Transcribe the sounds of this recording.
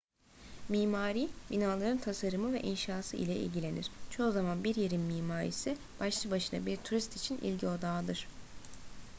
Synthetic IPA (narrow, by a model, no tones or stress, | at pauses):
miːmaːɾiːbinaːlˠaɾɯnt̪ʰasaɾɯmɯvɛ̰ʔinʃaːsɯʔḭlʲɛḭlʲɟilʲe̞niɾ̥t͡ʃʰo̞uzamanbiɾjeɾinmiːmaːɾḭsi | b̥aʃlˠɯbaʃɯna̰biɾt̪ʰuɾist̪it͡ʃʰinʔḭlʲɟio̞d̪aːd̪ɯɾ̥